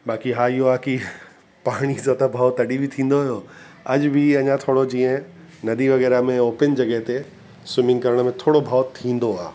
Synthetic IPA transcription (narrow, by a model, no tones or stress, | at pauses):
baːkiɦaːɪjoaːki | paːɽ̃isat̪ɐbʱaːot̪ɐɗibʱit̪ʰĩːn̆d̪oɦʊjoː | ɐd͡ʑbʱɪɐɲãt̪ʰoːɽod͡ʑĩːə̃ | nɐd̪iʋɐɣɛːɾamẽoːpɪnd͡ʑɐɡəɦt̪e | sʊmɪ̃ŋɡkɐɾəɽ̃mẽt̪ʰoːɽobʱaːot̪ʰĩːn̆d̪oaː